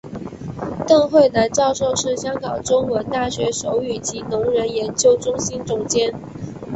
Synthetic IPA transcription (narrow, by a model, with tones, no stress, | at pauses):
t̪ɤ˥˧ŋxwe˥˩ɪnə˧˥nt͡ɕɑ˥˧ʊʂo˥˧ʊʂɻ̩˥˩ɕjɑ˥ŋkɑ˨˩ŋʈ͡ʂʊ˥ŋwə˧˥nt̪a˥˩ɕɥɛ˧˥ʂo˧˥ʊy˨˩t͡ɕi˧˥nʊ˧˥ŋɻə˧˥njɛ˧˥nt͡ɕjo˥ʊʈ͡ʂʊ˥ŋɕi˥nʈ͡ʂʊ˨˩ŋt͡ɕjɛ˥n